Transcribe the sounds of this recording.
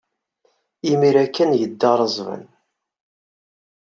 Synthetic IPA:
imiɾækːænʝəd̪ːɑɾˤəzˤvə̰n

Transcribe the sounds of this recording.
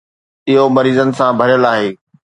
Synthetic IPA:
ɪɦomɐɾiːzənɪ̆sãbʱɐɾjəlaːɦeː

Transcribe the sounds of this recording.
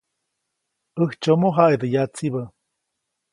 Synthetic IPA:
əht͡ʃomoɦaʔed̪əjat͡siβə

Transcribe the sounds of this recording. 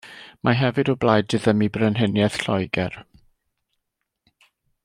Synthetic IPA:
mʔaɦɛvɨdɔblˠaːjdɨðəmibrənɦənjɛθɬɔjɡɛr

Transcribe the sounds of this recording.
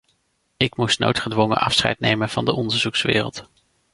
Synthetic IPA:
ɪkmustno̰wtχədʋɔŋə̰nʔɑfsχɛ̰jtnejmənv̥ɑndəʔɔndəɹzuksʋɪ̰ːrə̰lˠt

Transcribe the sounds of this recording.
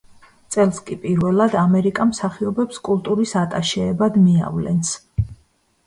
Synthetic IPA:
t̪sʼɛlˠskʼipʼiɾvɛlˠad̪amɛɾikʼamsaχiɔbɛpskʼulˠt̪ʼuɾisat̪ʼaʃɛːbad̪mia̰vlɛ̰ns

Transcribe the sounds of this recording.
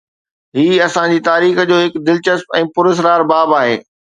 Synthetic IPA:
ɦiːɐsãd͡ʑiːt̪aːɾiːxd͡ʑoːɦɪkd̪ɪlt͡ɕəspɛ̃ːpʊɾɪs̬ɾaːɾbaːbaːɦeː

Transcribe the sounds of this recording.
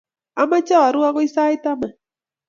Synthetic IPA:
amat͡ʃawaɾʊaɢoisajt̪ama

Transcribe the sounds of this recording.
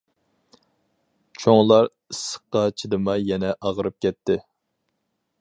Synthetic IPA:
t͡ʃʰoŋlˠɑɾ | ɨsːə̥qːɑt͡ʃʰid̪ɨmɑjɛnɛʔɑʁəɾɨp̚kʲɛt̪ʰːɪ

